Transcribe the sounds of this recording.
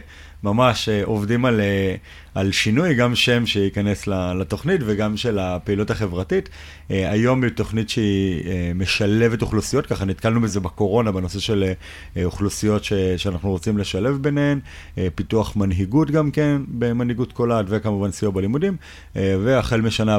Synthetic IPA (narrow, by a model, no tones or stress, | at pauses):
mamaʃeʔo̞vdimale | alʃinujɡamʃe̞mʃeikane̞slalato̞χnitve̞ɡamʃe̞lapeilutaχe̞vʁatit | eajo̞mito̞χnitʃeieme̞ʃale̞ve̞toχlusijo̞tkaχanitkalnubeze̞beko̞ʁo̞nabeno̞se̞ʃe̞le | oχlusijo̞tʃeʃeanaχnuʁot͡simle̞ʃale̞vbeneem | epituaχmanɦiɡutɡamke̞nbemanhiɡutkoladvekamuvansijobalimudim | ve̞aχelmeʃana